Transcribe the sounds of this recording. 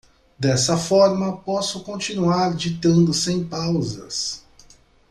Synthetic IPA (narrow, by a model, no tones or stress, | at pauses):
d̪ɛsɐfɔɾmɐpɔsʊkõt͡ʃinuaɾd͡ʒit̪ɐ̃nd̪ʊsẽj̃pawzɐs